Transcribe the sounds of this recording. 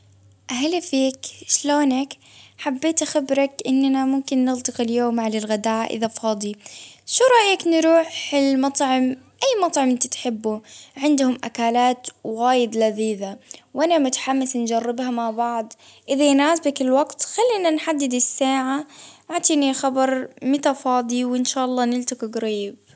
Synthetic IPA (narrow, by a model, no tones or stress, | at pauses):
ʔahlafiːkʃloːnak | ħabːeːt̪axabɾɑkʔɪnːanamʊmkɪnːɪlt̪ˤɨqɪljoːmːaʕlɪlɣad̪aːʔʔɪ̰ðafɑːd̪ˤiʃuɾˤɑʔjaknɾuːħɪlmɑt̪ˤʕɪm | ʔajːmɑt̪ˤʕɑmʔɪnt̪at̪ħɪbːuʕɪnd̪hʊmʔa̰kaːlaːt̪ɣaːjɪd̪laðiːðawʔanamʊt̪ḁħamːɪsnd͡ʒɑrˤːɪbhamaʕbɑʕd̪ˤ | ʔɪðajnaːsbakɪlwaɡt̪xalːinanħad̪ːɪd̪ɪsːaːʕaʔaʕt̪ˤiːnilxabɑɾˤmɪt̪afɑːd̪ˤiwɪnʃaːʔɑlˤːɑːnɪlt̪ɪqiɡɾiːb